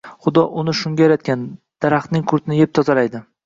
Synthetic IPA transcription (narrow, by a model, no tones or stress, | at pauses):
χʊd̪ɒʔʊnɪʃʊŋɡʲajaɾat̪̚kʲan | d̪̥aɾaχt̪nɪŋkʰʊɾt̪ɪnɪjep̚t̪ʰɒzaɾajd̪ɪ